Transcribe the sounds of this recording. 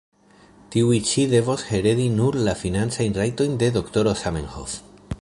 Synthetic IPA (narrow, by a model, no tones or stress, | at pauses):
tiuit͡ʃide̞vo̞she̞ɾe̞ɾinuɾlafinant͡sajnrajto̞jnde̞do̞kto̞ɾo̞samenho̰f